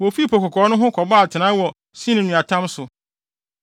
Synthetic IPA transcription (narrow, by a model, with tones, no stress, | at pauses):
wɔ˨fi˦pʰɔ˨kʰɔ˨kʰɔː˨˦nʊ̃˦ɦʊ̃˦kʰɔ˨ba˦˨tʰɪ˨nã˨˦wɔ˨ | sĩ˦nɪ̃˨nũ˨a˨tʰã˦msʊ˨